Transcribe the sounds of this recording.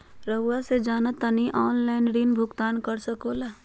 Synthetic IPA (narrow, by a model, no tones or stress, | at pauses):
ɾɐwased͡ʒaːnat̪ɐniʔɔːnlaːɪnɖiːnbʱʊɡt̪aːnkɐɾsɐkoːlaː